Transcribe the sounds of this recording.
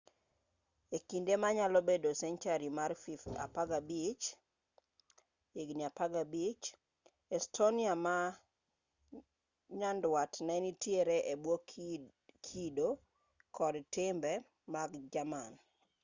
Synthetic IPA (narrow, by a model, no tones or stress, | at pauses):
ekindemaɲalɔbedosɛnt͡ʃaɾimarfifa̰paɡabit͡ʃ | eɡniapaɡabit͡ʃ | ɛstʰoniama | ɲandwatnɛnitjeɾeʔebwo | kʰido | kʰɔdtɪmbɛ | maɡd͡ʒaman